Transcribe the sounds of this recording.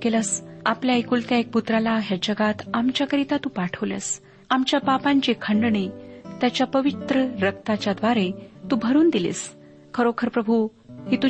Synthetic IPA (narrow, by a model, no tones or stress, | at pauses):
keləsapljaikuːlt̪jaek̚put̪ɾalaɦjad͡ʑəɡat̪amt͡ɕjakəɾit̪at̪uːpaʈʰəʋlə̰s | amt͡ɕjapapãɲt͡ɕekʰəɳɖɳit̪jat͡ɕjapəʋit̪ɾəɾəkt̪at͡ɕjad̪ʋaɾet̪uːbʱəɾuːnd̪ilḛːs | kʰəɾokʰəɾpɾəbʱu | ɦit̪u